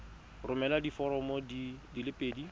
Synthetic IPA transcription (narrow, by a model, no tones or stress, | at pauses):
rʊmɛladifɔɾɔmɔdidilɪpʼeːdi